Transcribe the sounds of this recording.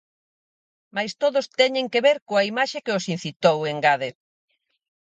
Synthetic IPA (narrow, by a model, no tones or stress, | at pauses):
majst̪oðost̪ɛɲẽŋkeβeɾkoaimaʃekeosin̟θit̪oweŋɡaðe